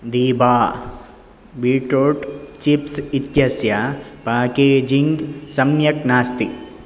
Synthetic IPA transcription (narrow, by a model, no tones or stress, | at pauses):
d̪iːbaː | biːʈoːʈt͡ʃipsit̪jɐsjapaːkeːd͡ʒiŋɡsɐmjɐknaːst̪i